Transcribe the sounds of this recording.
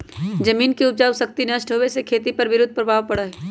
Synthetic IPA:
d͡ʒɐmiːnkiʊd͡ʒaːʊsɐk̚t̪inɐʃʈɦoːʋesekʰeːt̪ipɐɾʋɪɾʊd̪̚ʱpɾɐbʱaːʋpɐɽaɦɛː

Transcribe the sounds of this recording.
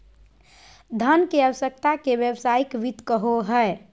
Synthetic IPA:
d̪ʱənkeəʋəsək̚t̪akebjəbsaikʋit̪kəɦoɦəe

